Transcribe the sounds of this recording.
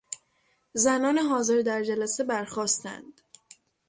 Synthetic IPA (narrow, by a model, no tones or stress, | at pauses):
zænɒːneɦɒːze̞ɾd̪æɾd͡ʒælæse̞bæɾχɒːst̪æ̰nd̪̥